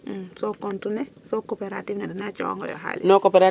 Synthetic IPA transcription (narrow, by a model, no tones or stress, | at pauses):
sokontunɛ | sokopeɾatifnɛdinat͡ʃɔ̰ŋɡɔ̰jɔ̰ɦa̰linokopeɾa